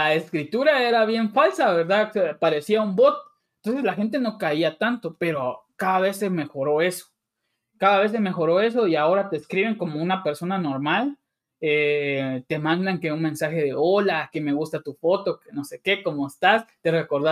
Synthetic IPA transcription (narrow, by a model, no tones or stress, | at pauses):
aeskɾit̪uɾae̞ɾaβje̞ɱfalsaβe̞ɾðaspaɾe̞siaumbo̞t̪̚ | ent̪o̞nsezlaxe̞nt̪̬e̞no̞kaiat̪ant̪o̞pe̞ɾo̞kaðaβe̞seme̞xo̞ɾo̞e̞so̥ | kaðaβ̞e̞s̬eme̞xo̞ɾo̞e̞s̬o̞iao̞ɾat̪e̞ːskɾiβe̞ŋko̞mounape̞ɾso̞nano̞ɾmal | et̪e̞mãnd̪aŋkeunmẽ̞nsaxe̞ðe̞o̞lakeme̞ɣust̪at̪ufo̞t̪o̞keno̞se̞ke̞ko̞moest̪ast̪ereko̞ɾða